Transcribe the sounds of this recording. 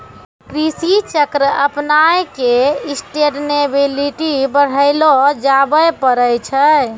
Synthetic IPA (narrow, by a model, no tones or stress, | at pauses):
kɾisit͡ʃəkɾəəpnajkeisʈeʈnebiliʈibəɽ̤əɪlod͡ʒabəjpəɾəjt͡ʃʰə